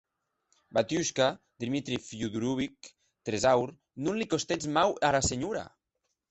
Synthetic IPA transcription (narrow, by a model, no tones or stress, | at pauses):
bat̪juʃka | d̪imit̪ɾifuðuɾuβik̚ | t̪ɾezawɾ | nunlikost̪ed͡zmawaɾaseɲuɾa̰